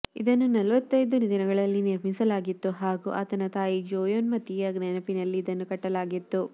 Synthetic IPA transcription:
ḭd̪ɐnːunɐlʋɐt̪ːɐjd̪unid̪inɐɡɐɭɐlːiniɾmisɐlaːɡit̪ːuɦaːɡuʔa̰ːt̪ɐnɐt̪aːjid͡ʒoːjoːnmɐt̪ːijɐɡnɐnɐpinɐlːiːd̪ɐnːukɐʈːɐlaːɡit̪ːu

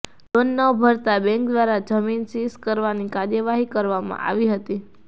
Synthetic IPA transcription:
d̪onːəbʱəɾt̪abɛ̃ŋk̚d̪ʋaɾad͡ʒəminsiskəɾʋanikaɾjəʋaɦikəɾʋamã̰ʔa̰ʋiɦət̪i

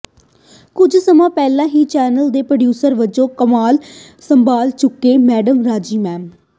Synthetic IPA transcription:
kʊd͡ʒʱsəmãːpɛːlãːɦiːt͡ʃɛːnəld̪eːpɾəɖjuːsəɾʋɪd͡ʒõːkəmaːl | səmbaːlt͡ʃʊkːeːmɛːɖəmɾaːd͡ʒiːmɛ̃ːm

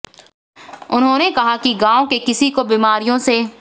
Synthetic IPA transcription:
ʊnɦõːnekɐɦakiɡãːõkekɪsikobiːmaːɾijõse

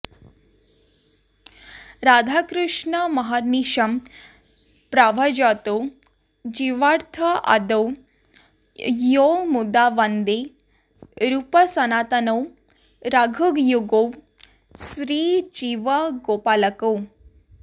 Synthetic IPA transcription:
ɾaːd̪ʱakɾuʂɳəmɐɦaɾniʃɐm | pɾaʋad͡ʒat̪o | d͡ʒiʋaɾt̪ʰɐʔa̰d̪ɐw | jomud̪aʋand̪e | ɾupəsɐnaːt̪ɐnɐw | ɾaɡʱuɡjuɡow | sɾiːt͡ʃiʋɐɡoːpaːlɐkow

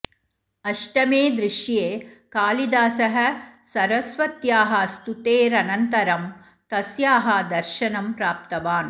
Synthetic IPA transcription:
ɐʂʈɐmeːd̪ɾɪʃjeːkaːlid̪aːsɐɦɐ̆sɐɾɐsʋɐt̪jaːɦɐst̪ut̪eːɾɐnɐnt̪ɐɾɐm | t̪ɐsjaːɦɐd̪ɐɾʃɐnɐmpɾaːp̚t̪ɐʋaːn

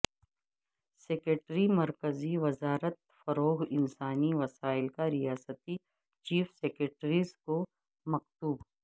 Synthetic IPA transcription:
seːkɾeʈɾimɐɾkəziʋɐzaːɾət̪̚fɐɾoːɦɪnsaːniʋɐsaːɪlkaɾɪjaːsət̪i | t͡ʃiːfseːkɾeʈɾizko | mɐqt̪uːb

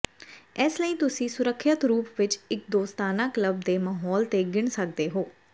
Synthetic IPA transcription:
ɛːsləiːt̪ʊsĩːsʊɾəkʰːət̪ɾuːpʋɪt͡ʃɪk̚d̪oːst̪aːnãːkləb̚d̪eːmaːɦɔːlt̪eːɡɪɳsək̚d̪eːɦoː

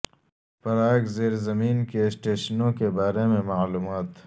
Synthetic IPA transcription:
fɐɾaːɡzeːɾzɐmiːnkesʈeːʃənõkebaːɾemẽmaːluːmaːt̪

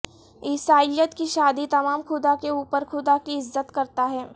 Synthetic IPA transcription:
ɪsaːɪljət̪kiʃaːd̪it̪ɐmaːmxʊd̪akeuːpəɾxʰʊd̪akiɪzːət̪kɐɾt̪aɦɛː

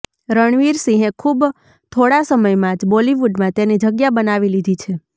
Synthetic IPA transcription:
ɾəɳ̃ʋiɾsĩɦẽkʰub | t̪ʰoɽasəməjmãd͡ʒbɔliʋuɖmãt̪enid͡ʒəɡjabənaʋilid̪ʱit͡ʃʰe

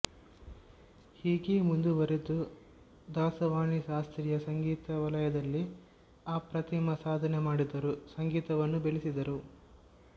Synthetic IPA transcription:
hiːɡeːmund̪uʋɐɾed̪u | d̪aːsɐʋaːɳiʃaːst̪ɾijɐsɐŋɡiːt̪ɐʋɐlɐjɐd̪ɐlːi | aːpɾɐt̪ʰimɐsaːd̪ʱɐnemaːɽid̪ɐɾusɐŋɡiːt̪ɐʋɐnːubeɭisid̪ɐɾu

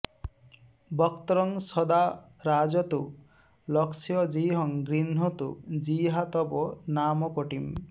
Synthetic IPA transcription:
bɔkt̪ɔɾɔŋsɔd̪aɾad͡ʒɔt̪u | lɔksijɔd͡ʒiɦɔŋɡɾinɦɔt̪ṵd͡ʒiɦat̪ɔbɔnamɔkoʈim

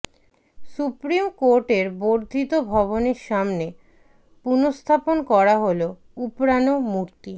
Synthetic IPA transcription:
supɾimkoɾʈeɾboɾd̪ʱit̪obʱɔβoneɾʃamne | punost̪ʰaponkɔɾaɦolo | upɾanomuɾt̪i

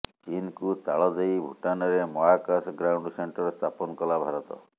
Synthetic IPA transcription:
t͡ʃinkut̪a̰ɭɔd͡ʒajbʱuʈanɔɾemɔakasɡɾawɳɖseɳʈɔɾest̪apɔnɔkɔlabʱaɾɔt̪ɔ̰

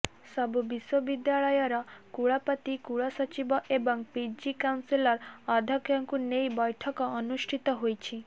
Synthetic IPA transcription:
sɔbubiswɔbid̪jaɭɔjɔɾɔkuɭapat̪ikuɭasɔt͡ʃibɔʔebɔŋpid͡ʒikawnsilɔɾɔd̪ʱɔkjɔŋkunejbɔjʈʰɔkɔɔnuʃʈʰit̪ɔɦojt͡ʃʰi

